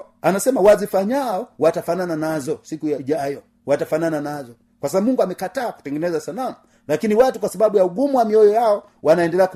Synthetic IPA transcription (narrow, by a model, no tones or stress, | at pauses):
anasɛmawazifaɲaɔwatafanananazɔsikujaiʄajɔ | watafanananazɔ | kwasaamuŋɡuamɛkataːku̥tɛŋɡɛnɛzasalamu | lakiniwatukwasaɓaɓujauɡumuwamiɔjɔjaɔ | wanaɛndɛlɛak